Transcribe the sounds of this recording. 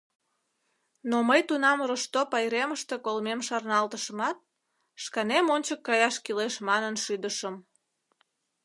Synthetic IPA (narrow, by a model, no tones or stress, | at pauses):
noməjt̪unɑmroʃt̪opɑjɾeməʃt̪ekolmemʃɑrnɑlt̪əʃəmɑt̪̚ | ʃkɑnemonʲt͡ɕəkːɑjɑʃkileʃmɑnənʃyd̪əʃəm